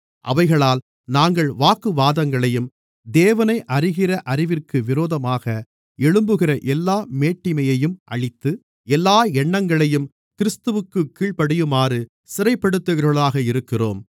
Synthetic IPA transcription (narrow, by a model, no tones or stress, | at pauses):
ʔɐ̰ʋɐɪɣɐɭaːl | naːŋɡɐɭʋaːkɯʋaːðɐŋɡɐɭɐjɯm | d̪eːʋɐnɐɪʔɐrɪɣɪrɐʔɐɾɪʋɪrkɯʋɪɾoːðɐmaːɣɐ | ɛɭɯmbɯɣɪrɐʔɛlːaːmeːʈːɪmɐjɐjɯmʔɐ̰ɻɪt̪ːɯ | ɛlːaːɛɳːɐŋɡɐɭɐjɯm | kɪɾɪst̪ɯʋɯkːɯkːiːɭpɐɽɪjɯmaːrɯ | sɪɾɐɪpːɐɽɯt̪ːɯɣɐɾɣɐɭaːɣɐɪɾɯkːɪro̰ːm